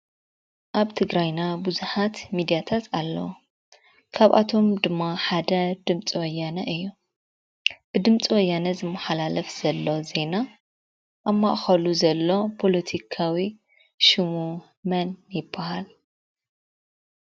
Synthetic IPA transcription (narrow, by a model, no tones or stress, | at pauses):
ʔaβt̪ʰɨɡɾajnabuzuħat̪mid̪ijat̪ʰat̪ʰalːɐ̰w | kʰaβʔa̰t̪ʰo̞md̪ɨmːaħad̪ɐd̪ɨmt͡sʼiwɐjːanɐʔɨjːu | b̥ɨd̪ɨmt͡sʼiwɔjːanɐzɨmːɐħalalɐfz̥ɐlːo̞ze̞na | ʔamːaʔxɐluzɐlːo̞pʰo̞lɐt̪ʰikʰawi | ʃɨmu | mɐnjɪbːahal